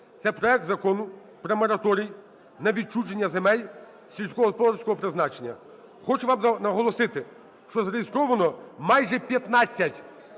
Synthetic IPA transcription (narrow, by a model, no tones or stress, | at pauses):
t̪sɛpɾɔɛk̚t̪zɐkɔnʊ | pɾɐmɔɾɐt̪ɔɾʲij | nɐʋʲid̚t͡ʃud͡ʒenʲːɐzemɛlʲ | sʲilʲsʲkɔɦɔspɔɾsʲkɔɦɔpɾɪznɑt͡ʃenʲːɐ̰ | xɔt͡ʃʊʋɑmnɐɦɔlˠɔsɪt̪ɪ | ʃt͡ʃɔzɐɾejɪst̪ɾɔʋɐnɔmɑjʒɛpʲjɐt̪nat͡sʲːɐtʲ